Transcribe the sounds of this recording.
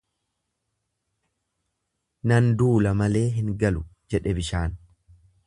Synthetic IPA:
nɐnd̪uːlɐmɐle̞ːɦɪŋɡɐlʊd͡ʒɛᶑɛbɪʃaːn

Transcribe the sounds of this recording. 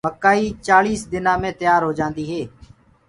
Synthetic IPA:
məkːaːiːt͡ʃaːliːsd̪ɪnãːmẽːt̪ɪjaːɾɦoːd͡ʒãːnd̪iːɦeː

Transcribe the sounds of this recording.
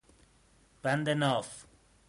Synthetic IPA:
b̥and̪ɛnɔf

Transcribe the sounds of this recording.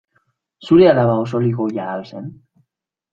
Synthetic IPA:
suɾealaβaos̬oliɣojaːesen

